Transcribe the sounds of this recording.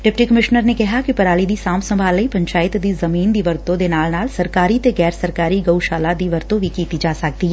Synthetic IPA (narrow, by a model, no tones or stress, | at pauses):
ɖɪp̚ʈikɐmɪʃnəɾnekɐɦakipɐɾaːlid̪isaːmsɐ̃mbʱaːləipɐ̃ɲt͡ʃaːɪt̪d̪izɐmiːnd̪iʋəɾt̪õd̪enaːlnaːlsɐɾkaːɾit̪eɡɛːɾsɐɾkaːɾiɡɐwʃaːlad̪iʋɐɾt̪õʋʱikit̪id͡ʒaːsak̚d̪i